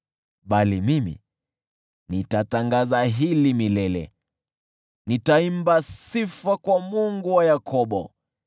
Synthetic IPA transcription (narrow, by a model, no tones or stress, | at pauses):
ɓalimimḭ | nitataŋɡazaɦilimilɛlɛ̰ | nitaimbasifakwamuŋɡuwajakʰɔɓɔ